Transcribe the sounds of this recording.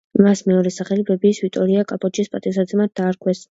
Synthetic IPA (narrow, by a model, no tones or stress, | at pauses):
masmɛɔɾɛsaχɛlibɛbiːsvit̪ʼɔɾiakʼapʰʼɔt͡ʃʰispʼat̪ʼisad̪zɛmat̪̚d̪aːɾkʰwɛs